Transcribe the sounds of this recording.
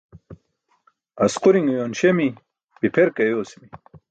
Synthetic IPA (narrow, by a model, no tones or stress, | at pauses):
ɐsquɾiŋjoːnɕemi | pipʰeɾkɐjoːsmi